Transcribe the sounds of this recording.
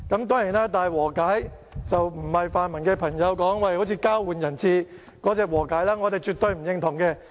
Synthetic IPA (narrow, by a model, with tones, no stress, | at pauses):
kɐ˨˧˥mt̪̬ɔː˥ŋjiː˨˩naː˥t̪aː˨jwɔː˨˩kaː˨˥j | t͡sɐ˨wm̩˨˩hɐ˨jfaː˨˧nmɐ˨˩nkɛː˧pʰɐ˨˩ŋjɐ˨˧wkɔː˨˥ŋwɐ˨˩ho˨˥wt͡sʰiː˧kaː˥wwuː˨˧njɐ˨˩nt͡sʰiː˧ | kɔː˨˥t͡sɛː˧k̚wɔː˨˩kaː˨˥jlaː˥ŋɔ˨˧e˨jt͡ʃyː˨t̪ɵ˧ɥm̩˨˩jɪ˧ŋt̪ʰʊ˨˩ŋkɛː˧